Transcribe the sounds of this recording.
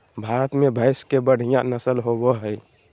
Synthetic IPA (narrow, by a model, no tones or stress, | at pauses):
bʱaːɾət̪mẽbʱəɪskebəɽ̤ijãnəsəlɦowoɦəj